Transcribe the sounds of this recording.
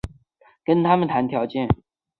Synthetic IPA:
kə˥nt̪ʰa˥mə˨nt̪ʰa˧˥nt̪ʰjɑ˧˥ʊt͡ɕjɛ˥˩n

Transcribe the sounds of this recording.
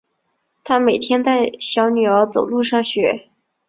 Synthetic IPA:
t̪ʰa˥me˨˩ɪt̪ʰjɛ˥nt͡sa˥˩ɪɕjɑ˧˥ʊny˨˩ə˧˥t͡so˨˩ʊlu˥˧ʂɑ˥˩ŋɕɥɛ˨˩˥

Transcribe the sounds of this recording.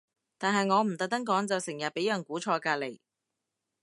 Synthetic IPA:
t̪aː˨nɦɐ˨jŋɔː˨˧m̩˨˩t̪ɐ˨k̚t̪ɐ˥ŋkɔː˨˥ŋt͡sɐ˨wsɪ˨˩ŋjɐ˨t̚pe˨˥jjɐ˨˩nkuː˨˥t͡ʃʰɔː˧kaː˧le˨˩j

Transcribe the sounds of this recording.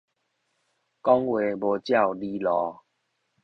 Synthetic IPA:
kɔ˦ŋwe˨˦bo˨˩t͡ɕja˥˨wli˦lɔ˨˦

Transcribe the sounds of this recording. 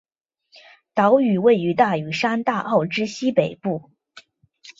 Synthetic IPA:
t̪ɑ˧˥ʊy˨˩we˥˩ɪy˧˥t̪a˥˩y˨˩ʂa˥nt̪a˥˧ʔɑ˥˩ʊʈ͡ʂɻ̩˥ɕi˥pe˨˩ɪpu˥˩

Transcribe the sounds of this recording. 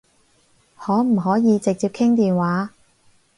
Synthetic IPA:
hɔː˨˥m̩˨˩ɦɔː˨˥jiː˨˧t͡sɪ˨k̚t͡siː˧p̚kʰɪ˥ŋt̪iː˨nwaː˨˥

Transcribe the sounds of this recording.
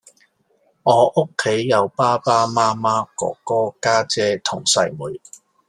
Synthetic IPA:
ŋɔː˨˧ʔʊ˥kʰːe˨˥jːɐ˨˧wpaː˥paː˥maː˥maː˥kɔ̰ː˧˥kːɔː˥kaː˥t͡sɛː˥t̪ʰʊ˨˩ŋsɐ̰˨˥jmuː˨˩j

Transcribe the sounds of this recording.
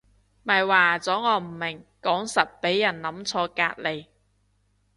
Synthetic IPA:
mɐ˨˩jwaː˨˩t͡sɔː˨˥ŋɔː˨˧m̩˨˩mɪ˨˩ŋkɔː˨˥ŋsɐ˨t̚pe˨˥jːɐ˨˩nnɐ˨˥mt͡sʰɔː˧ka̰ː˧t̚le˨˧j

